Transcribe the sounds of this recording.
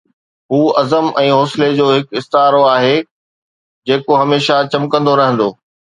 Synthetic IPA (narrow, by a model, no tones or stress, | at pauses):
ɦuːɐzəmɛ̃ːɦoːsɪled͡ʑoːɦɪkɪst̪ɦaːɾoaːɦe | d͡ʑeːkoɦɐmeːʃat͡ɕɐmkɐ̃nd̪oɾɐɦə̃nd̪oː